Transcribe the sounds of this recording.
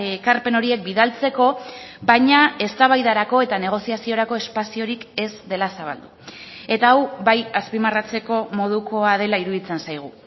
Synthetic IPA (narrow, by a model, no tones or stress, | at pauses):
ekaɾpe̞no̞ɾie̞k̚biðalt͡se̞ko̞βajɲae̞st̪aβ̞ajðaɾako̞e̞t̪ane̞ɣ̞o̞siasio̞ɾako̞e̞spasio̞ɾike̞zd̪e̞lasaβa̰ld̪u | e̞t̪aːwbajaspimarat͡se̞ko̞mo̞ðuko̞að̞e̞laiɾuðit͡sensajɣ̞u